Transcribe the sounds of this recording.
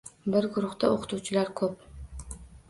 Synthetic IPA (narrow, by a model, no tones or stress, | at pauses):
bɪɾɡʊɾʊχt̪aoqʰʊ̥t̪uwt͡ʃʰɪlaɾkʰɵp̚